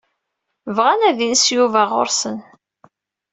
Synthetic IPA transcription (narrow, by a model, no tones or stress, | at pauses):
vʁænæðinsjuvæʁʊ̰ɾsən